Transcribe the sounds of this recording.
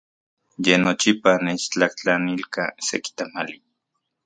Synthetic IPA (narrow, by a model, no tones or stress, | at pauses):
jenot͡ʃipanet͡ʃt͡ɬakt͡ɬanilkaseki̥t̪amali